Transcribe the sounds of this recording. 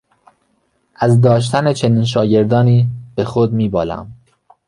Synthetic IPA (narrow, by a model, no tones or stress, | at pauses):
ʔæzd̪ɒːʃ̬t̪ʰæne̞t͡ʃʰe̞niːnʃ̬ɒːɟe̞ɾd̪ɒːniːb̥e̞xod̪miːbɒːlæ̰m